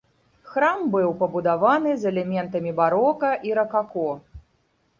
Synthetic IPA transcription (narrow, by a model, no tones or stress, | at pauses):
xɾambɨwpɐbud̪avanɨzɛlʲɛmʲɛnt̪ɐmʲibaɾɔkɐʔiɾɐkakɔ